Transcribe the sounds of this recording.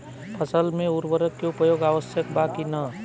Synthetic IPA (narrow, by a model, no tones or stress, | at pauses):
pʰʌsəlmeuɾbəɾəkːeupəjoɡaʋəsjəkbakinʌ